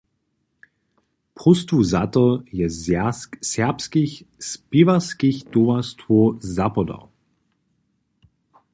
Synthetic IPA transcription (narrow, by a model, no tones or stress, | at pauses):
pʁʊstuzatəjɛ | sɛpskiçspivaskiçd̥ovastvozapɔdɔ̰